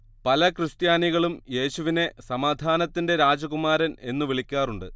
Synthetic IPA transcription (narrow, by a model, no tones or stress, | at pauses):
pɐlɐkrɨst̪jaːniɣɐɭumje̞ːɕuʋine̞sɐmaːd̪ʱaːnɐt̪ːinde̞ɾaːd͡ʑɐɣumaːɾɐne̞nːuʋiɭikʲːaːruɳɖɨ